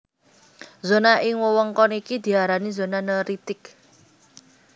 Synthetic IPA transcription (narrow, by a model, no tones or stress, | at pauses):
zonaʔɪŋwɔwɔŋkɔnikid̪̥i̤aɾanizo̤nanəɾit̪ɪk